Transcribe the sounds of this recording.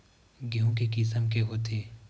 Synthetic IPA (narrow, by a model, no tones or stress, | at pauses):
ɡiɦũkekɪsəmkeɦoːt̪ʰeː